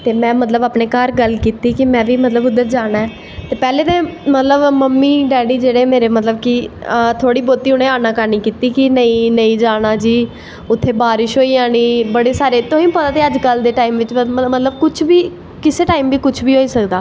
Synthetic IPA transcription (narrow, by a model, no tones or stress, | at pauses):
t̪eːmɛ̃ːmət̪ləbaːpneːkaːɾɡəlkiːt̪iːkɪmɛ̃ːʋiːmət̪ləbʊd̪ːəɾd͡ʒaːɽ̃aːɛː | t̪eːpɛːleːt̪ẽːmət̪ləbməmːiːɖɛːɖiːd͡ʒeːɽeːmeːɾeːmət̪ləbkɪət̪ʰoːɽiːboːt̪iːʊneːaːnãːkəɾniːkiːt̪iːkɪnəĩːnəĩːd͡ʒaːɽaːd͡ʒiː | ʊt̪ʰːeːbaːɾɪʃɦoːiːaːniːbəɽeːsaːɾeːt̪õːĩːpət̪aːt̪eːəd͡ʒkəld̪eːʈaːimʋɪt͡ʃmət̪ləbkʊt͡ʃʰbiː | kɪseːʈaːiːmʋiːkʊt͡ʃʰbiːɦoːiːsəkd̪aː